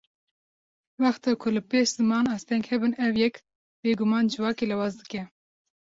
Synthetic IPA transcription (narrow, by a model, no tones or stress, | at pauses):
wɑxt̪ɑːkʰʊlɨpeːʃz̥ɨmɑːnɑːst̪ʰɛŋɡhɛbɨnɛwjɛk | b̥eːɡʊmɑːnd͡ʒɨvɑːkeːlɛwɑːzd̪ɨkɛ